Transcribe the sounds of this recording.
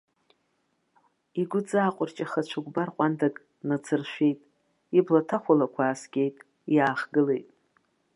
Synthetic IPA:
iɡʷʊd͡zaːqʷʼʊrt͡ʃʼaχat͡ʃʷʰaɡʷbarqʷʼantʰakʼ | nat͡sʰɨrʃʷᶣe̞jtʼ | iblatʰaχʷalakʷʰaːsɡʲe̞jtʼ | iaːχɡɨle̞jtʼ

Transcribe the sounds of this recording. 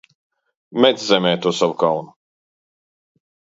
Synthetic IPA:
mɛt̪szɛmʲɛːjt̪uɔsavukawnu

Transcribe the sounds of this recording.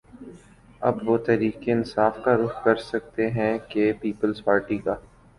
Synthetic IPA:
ɐ̰bʋot̪ɛɾiːqeɪnsaːfkaɾʊxkɐɾsɐk̚t̪eɦɛ̃kepiːpəlzpaːɾʈikaː

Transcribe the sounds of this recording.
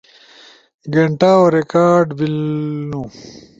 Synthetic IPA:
ɡeɳʈaːoɾekaːɾɖbilnũ

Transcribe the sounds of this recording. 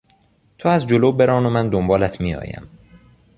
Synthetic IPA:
t̪ʰoæzd͡ʒoloːbe̞ɾɒːnomænd̪ombɒːlæt̪ʰmiːjɒ̰ːjæ̰m

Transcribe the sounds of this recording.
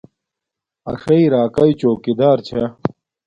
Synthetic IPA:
ɐ̰ʂɐiɾaːkɐit͡ɕoːkid̪aːɾt͡ɕʰɐ

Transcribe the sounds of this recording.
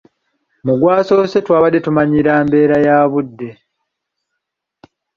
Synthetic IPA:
muɡwaːso̞ːse̞twaːβadːe̞tumaɲiɾaːmbe̞ːɾajaːβudːe̞

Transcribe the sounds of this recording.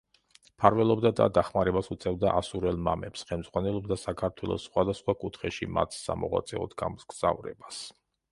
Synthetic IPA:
pʰaɾvɛlˠɔbd̪ad̪a̰d̪aχmaɾɛbasut̪sʰʼɛvd̪aʔasuɾɛlˠmamɛpsχɛlmd̪zʁwanɛlˠɔb̚d̪asakʰaɾt̪ʰwɛlˠɔ̰sːχwad̪asχwakʼut̪ʰχɛʃima̰t̪ʰsa̰mɔʁwa̰t̪sʼɛɔ̰d̪ɡamɡz̥avɾɛ̰bas

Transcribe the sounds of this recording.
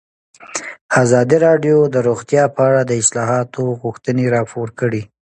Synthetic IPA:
azɑd̪iɾɑɖjod̪əɾoɣt̪jɑpəaɽad̪əɪslɑɦɑt̪ʰoɣuxt̪əneɾɑpoɾkəɽi

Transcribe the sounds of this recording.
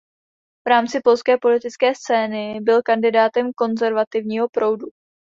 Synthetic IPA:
v̥ɾaːmt͡sɪpo̞lskɛːpo̞lɪt̪ɪt͡skɛːst͡sɛːnɪbɪlkandɪdaːt̪ɛmko̞nzɛɾvat̪ɪvɲiːɦo̞pɾo̞wdu

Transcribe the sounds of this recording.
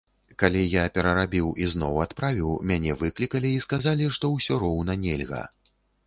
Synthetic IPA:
kalʲijapʲɛɾɐɾabʲiwʔiznɔwat̪pɾavʲiwmʲanʲɛvɨklʲikɐlʲiːskazalʲiʂt̪ɔwsʲɔɾɔwnɐnʲɛlʲɣɐ̰

